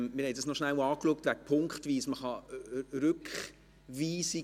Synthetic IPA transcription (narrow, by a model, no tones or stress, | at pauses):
mɪɾhɛɪdɑsnɔʃnæwɑːkluək̚tvʋæk̚pʰʊŋkχtviːsməχɑɾʏkχ | viːsi